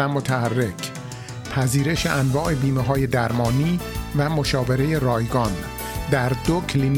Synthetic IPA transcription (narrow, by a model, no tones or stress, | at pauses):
æmot̪ʰæærːe̞cʰ | pʰæziːɾe̞ʃe̞ʔænvɒːʔe̞biːmeɦɒːje̞d̪æɾmɒːniːvæmo̞ʃɒːve̞ɾe̞je̞ɾɒːjɡɒn | d̪æɾd̪okʰlin